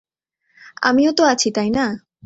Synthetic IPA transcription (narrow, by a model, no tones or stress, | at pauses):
a̰mijot̪oat͡ʃʰit̪ajna